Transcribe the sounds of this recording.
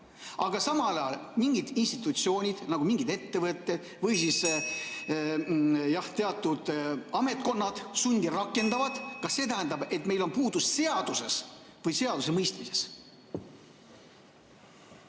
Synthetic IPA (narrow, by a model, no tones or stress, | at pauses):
ʔɑɡ̥ɑsɑmɑlɑjɑ̰lmiŋɡid̪̥inst̪it̪ːˑut̪sio̞ːnʲid̪̥nɑɡ̥umiŋɡid̪̥e̞t̪ːe̞vɤt̪ˑːe̞d̪̥ | vɤjsis | jɑht̪e̞ɑt̪ːˑud̪̥ɑme̞t̪̚ko̞nːɑd̪̥sunʲd̪irɑkːˑe̞nd̪ɑvɑd̪̥kɑsːe̞ːt̪æɦænd̪ɑbe̞t̪mejlo̞npuːd̪usse̞ɑd̪̥use̞s | vɤjse̞ɑd̪̥us̬emɤjst̪mise̞̥s